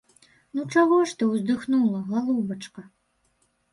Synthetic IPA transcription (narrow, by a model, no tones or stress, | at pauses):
nut͡ʂaɣɔʂt̪ɨwzd̪ɨxnulˠɐɣalˠubɐt͡ʂkɐ